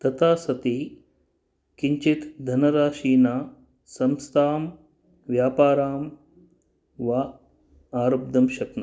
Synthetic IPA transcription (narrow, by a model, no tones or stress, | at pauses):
t̪ɐt̪aːsɐt̪i | kiɲt͡ʃit̪d̪ʱɐnɐɾaːʃiːnaː | sɐmst̪ʰaːm | ʋjaːpaːɾaːm | ʋa | aːɾɐb̚d̪ʱɐmʃɐknɐ